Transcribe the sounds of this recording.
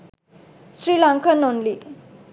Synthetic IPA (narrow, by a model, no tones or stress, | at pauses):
sɹilaŋkanɔnli